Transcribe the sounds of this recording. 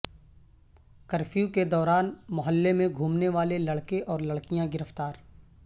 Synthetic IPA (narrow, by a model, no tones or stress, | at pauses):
kəɾfʰijuked̪ɔːɾaːnmʊɦəlːemẽɡʱuːmneʋaːlelɐɽkeʔɔːɾlɐɽkijãɡɪɾəft̪aːɾ